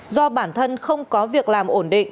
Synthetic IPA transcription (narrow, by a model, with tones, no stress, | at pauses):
zɔ˧ɓaː˧˩nt̪ʰə˧nxə˧wŋ͡mkɔ˨˦vi˨˩ək̚laː˨˩mʔo˧˩nɗḭ˧˨ŋ̟